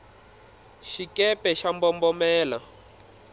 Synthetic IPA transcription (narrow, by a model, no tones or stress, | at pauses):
ʃikɛpɛʃambɔmbɔmɛːla